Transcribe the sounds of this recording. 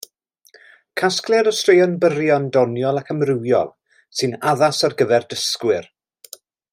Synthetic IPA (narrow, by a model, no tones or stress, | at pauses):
kʰasklˠɛɾɔstr̥ejɔnbəɾjɔndɔnjɔlˠakʰəmrɪwjɔ̰lˠ | sɨnaðasarɡəðɛrdəskwɪr